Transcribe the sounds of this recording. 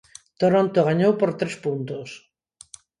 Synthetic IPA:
t̪oɾont̪oɣaɲowpoɾt̪ɾespunt̪os

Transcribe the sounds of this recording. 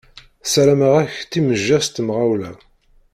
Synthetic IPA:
sɾæməʁæçt̪iməʒːæst̪əmʁawlæ

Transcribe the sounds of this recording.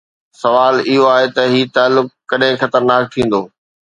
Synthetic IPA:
sɐʋaːlɪɦoaːɦet̪ɐɦiːt̪aːlːʊkːɐɗɦɪ̃xɐt̪əɾnaːk̚t̪ʰĩːn̆d̪oː

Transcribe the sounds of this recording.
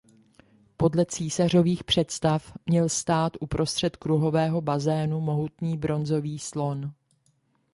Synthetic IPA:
po̞dlɛt͡siːsar̝o̞viːxpr̝̥ɛt̪st̪afmɲɛlst̪aːt̪ʔupɾo̞st̪r̥ɛt̪kɾuɦo̞vɛːɦo̞bazɛːnumo̞ɦut̪niːbɾʔo̞nzo̞viːslo̞n

